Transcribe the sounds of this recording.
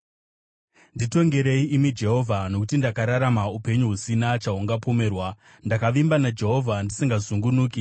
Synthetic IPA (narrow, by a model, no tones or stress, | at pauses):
ndito̞ŋɡe̞ɾe̞iʔimid͡ʒe̞ɦo̞ːvʱano̞kutindakaɾaɾamaupe̞ɲuɦusinat͡ʃaɦuŋɡapo̞me̞ːrwa | ndakaʋimbanad͡ʒe̞ɦo̞vʱandisiŋɡazuŋɡunuːki